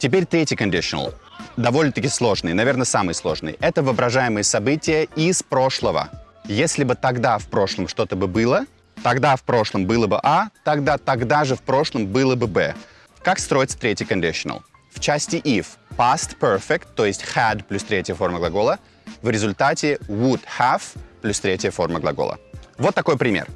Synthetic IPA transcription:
tʲɪpʲeɾʲt̪ɾʲetʲɪjkɐnʲdʲɪʂən̰lˠ | d̪ɐvolʲnət̪əkʲɪslˠo̞ʐnɨjnɐvʲe̞rnəsamɨjəslˠo̞̰ʐnɨ̰jə̰ʔɛt̪əvɨɐbɾɐʐajɪmɨjəsɐbɨtʲɪjəispɾo̞ʂlˠəvə̰ | jesʲlʲɪbɨt̪ɐɡd̪afpɾo̞ʂlˠəmʂt̪o̞t̪əbɨbɨlˠə | t̪ɐɡd̪afpɾo̞ʂlˠəmbɨlˠəbɨʔat̪ɐɡd̪at̪ɐɡd̪aʐɨfpɾo̞ʂlˠəmbɨlˠəbɨbɛ̰ | kakst̪ɾo̞jɪt̪sə̥t̪ɾʲetʲɪjkɐnʲdʲɪʂənə̰lˠ | ft͡ɕæsʲtʲɪʔifpast̪pɛrfʲɪkt̪ːo̞jɪsʲtʲxɛd̪plʲust̪ɾʲetʲɪjəfo̞rməɡlˠɐɡo̞lˠə | vɾʲɪzʊlʲt̪atʲɪvʊd̪xavplʲust̪ɾʲetʲɪjəfo̞̰rməɡlˠɐ̰ɡo̰lˠə̰vot̪ːɐko̞jpɾʲɪmʲḛr

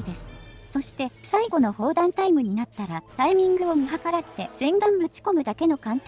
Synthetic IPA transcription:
d̪e̞sɨ̥so̞ɕi̥t̪e̞saiɡo̞no̞ho̞ːd̪ãnt̪aimɯ̟ɲ̟inat̪ːaɾat̪aimʲĩŋɡɯ̟omɯ̟ɦakaɾat̪ːe̞zẽ̞ŋɡãmmɯ̟t͡ɕi̥ko̞mɯ̟d̪ake̞no̞kãnt̪

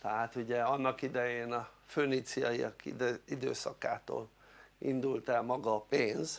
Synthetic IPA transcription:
t̪ɛɦaːt̪uɟɛɒnːɒkid̪ɛjeːnɒføːnit̪siɒiɒ̰kiid̪ø̰ːsɒka̰ːt̪o̰ːl | ḭnd̪ult̪ɛlmɒɡɒːpeːnz

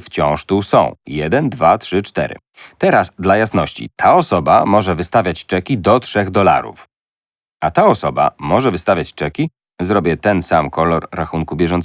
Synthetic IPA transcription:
ft͡ɕɔ̃w̃ʂt̪usɔ̰̃w̃jɛd̪ɛnd̪vatʂɘt͡ʂt̪ɛ̰ɾɘ̰ | t̪ɛɾazd̪lajasnɔɕt͡ɕḭt̪ʰaɔsɔba̰mɔʐɛvɘst̪avʲjat͡ɕt͡ʂɛkʲid̪ɔtʂɛɣd̪ɔla̰ɾṵf | at̪aɔsɔba̰mɔʐɛvɘst̪avʲjat͡ɕt͡ʂɛkʲi | zɾɔbʲjɛt̪ɛnsamkɔlɔɾːaxuŋkubʲjɛʐɔnt̪s

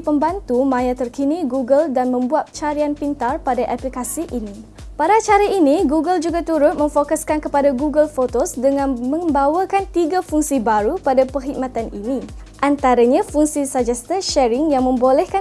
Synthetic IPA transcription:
pəmbant̪umãjat̪ərkiniɡuɡəldanmə̃mbuat̪̚t͡ʃaɾianpint̪arpadaʔaplikasiʔini | paɾat͡ʃaɾainĩɡuɡəld͡ʒuɡat̪uɾʊt̪̚mə̃ɱfokaskankəpadaɡuɡəlfot̪osdəŋãnmə̃mbawakant̪iɡafuŋsibaɾupadapərɦik̚mãt̪aninĩ | ʔant̪aɾaɲãfuŋsisad͡ʒast̪aʃɛɾiŋjaŋmə̃mbolɛhka

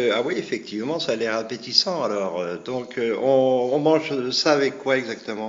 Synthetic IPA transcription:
awiefɛk̚t̪ʰivmɑ̃salɛʁapet̪isɑ̃alɔːʁød̪ɔ̃kʰøɔ̃ɔ̃mɑ̃ʒsaːvɛkːwaɛɡzakt̪əmɑ̃

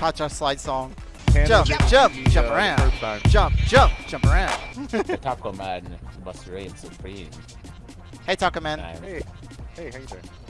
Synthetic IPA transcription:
kʰɑt͡ʃaʊəslaɪd̥sɔ̃ŋ | ʒʌ̃mpʒ̥ʌ̃mp̚ʒ̥ʌ̃pə˞ãʊ̥̃ʒ̥ʌ̃mp̚d̥ʒ̥ʌ̃mp̚d̥ʒ̥ʌ̃mpə˞ãʊ̃ndɨtʰɑk̚komænbʌsəɹeɪɨ̃nsəpʰɹ̥ĩn | heɪtʰɔkə̃mɛ̃n | heɪheɪ

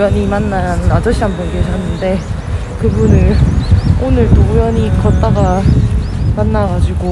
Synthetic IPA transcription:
jʌɲimanːannad͡ʑʌɕʰianbʌnɡeɕʰʌɦanːɯnde̞ | kɯbunɯɭ | onɯɭtojʌɲikʌt̚t͈aɡa | manːaɡad͡ʑiɡo

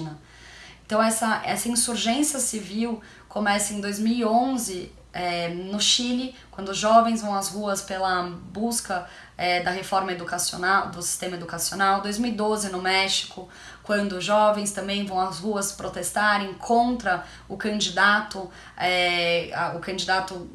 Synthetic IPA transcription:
nɐ | ẽt̪ɐ̃w̃ɛsɐʔɛsɐĩsuɾʒẽsiɐsiviw | kʰomɛsɐẽd̪ojzmiwiõzɪ | ɛnʊʃilɪkwɐ̃nd̪ʊʒɔvẽj̃zvɐ̃w̃ɐzhuɐspelɐbuskɐ | ɛd̪ɐɦefɔɾmɐed̪ukasio̰nawd̪ʊsi̥st̪ẽmɐed̪ukasionawd̪ojzmiwid̪ozɪnʊmɛʃi̥kʊ | kwɐ̃nd̪ʊʒɔvẽj̃st̪ɐ̃mbẽj̃vɐ̃w̃ɐzhuɐspɾot̪est̪aɾẽj̃kʰõnt̪ɾɐ | ʊkɐ̃nd͡ʒid̪at̪ʊ | ɛaʊkɐ̃nd͡ʒid̪at̪ʊ

